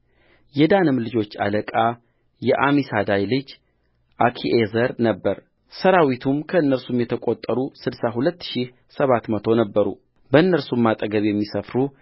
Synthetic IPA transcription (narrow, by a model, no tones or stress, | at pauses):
jɛd̪anɨmlɨd͡ʒo̞t͡ʃːa̰ləkʼa | jɛʔamisad̪ajlɨd͡ʒ | ʔakʰiʔezəɾnəbːəɾ | səɾawit̪ʰumkʰəɨnːəɾsumjɛt̪ʰəkʼot̪ʼːəɾusɨdsaɦulət̪ːʃi | səβat̪mət̪ʰo̞nəbːəɾṵ | bəɨnːəɾsumːat̪ʼəɡəβjɛmːisəfɾu